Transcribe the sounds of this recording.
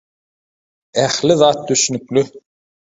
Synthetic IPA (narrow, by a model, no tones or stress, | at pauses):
æxliðɑːt̪̚d̪yʃynykly